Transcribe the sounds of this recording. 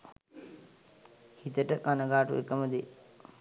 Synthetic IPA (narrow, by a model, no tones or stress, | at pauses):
hit̪əʈəkanəɡaːʈuʔekːəməd̪e